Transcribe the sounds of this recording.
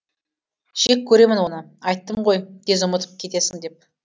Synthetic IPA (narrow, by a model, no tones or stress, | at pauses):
ʒ̥ekʲʰːɵɾe̞mɪnwo̞nə | ɑjt̪ːəɴʁo̞jd̪̥e̞zʊmət̪ə̥p̚kʲʰe̞t̪e̞sɪŋd̪e̞p̚